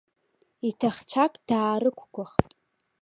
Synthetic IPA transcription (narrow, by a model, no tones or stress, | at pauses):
itʰaχt͡ʃʷʰakʼd̥aːɾɨkʷʰɡʷʊχtʼ